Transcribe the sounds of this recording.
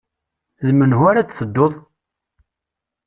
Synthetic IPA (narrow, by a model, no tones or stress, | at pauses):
ðmənɦʊaɾat͡sθəd̪ːoðˤ